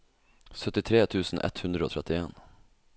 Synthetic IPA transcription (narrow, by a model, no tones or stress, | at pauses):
sœt̪ːɪt̪ʰɾeːt̪ʰʉ̟ːsənʔɛ̰t̪hɵnd̪ɾaɔt̪ʰɾɛt̪ːɪeːn